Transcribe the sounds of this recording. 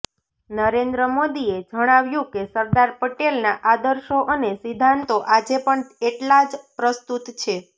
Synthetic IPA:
nəɾend̪ɾəmod̪ied͡ʒəɽ̃aʋjũkesəɾd̪aɾpəʈelnaʔad̪əɾʃoʔənesid̪ʱant̪oʔad͡ʒepəɳeʈlad͡ʒpɾəst̪ut̪t͡ʃʰe

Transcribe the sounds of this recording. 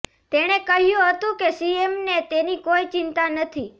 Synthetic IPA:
t̪eɽ̃ekəɦjũɦət̪ũkesiemnet̪enikoit͡ʃɪnt̪anət̪ʰi

